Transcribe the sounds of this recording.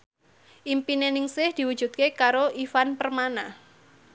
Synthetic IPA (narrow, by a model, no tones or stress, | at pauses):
ʔimpinenɪŋsɪhd̪̥i̤wud̥ʒ̥ṳt̪̚kekaɾoʔifanpərmana